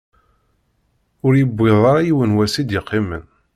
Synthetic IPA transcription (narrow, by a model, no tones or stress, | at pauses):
ʊɾjəbːiðˤɑɾˤɑjiwənwæsid̪jɪqːimən